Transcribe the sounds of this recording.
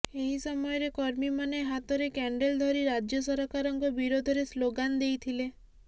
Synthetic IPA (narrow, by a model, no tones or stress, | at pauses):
eɦisɔmɔjɔɾekɔɾmimaneɦat̪ɔɾekɛɳɖeld̪ʱɔɾiɾad͡ʒjɔsɔɾɔkaɾɔŋkɔbiɾod̪ʱɔɾesloɡand̪ejt̪ʰile